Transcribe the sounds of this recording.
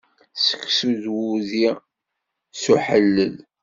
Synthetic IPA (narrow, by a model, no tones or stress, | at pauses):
sə̥kːsuðwuði | suħəlːəl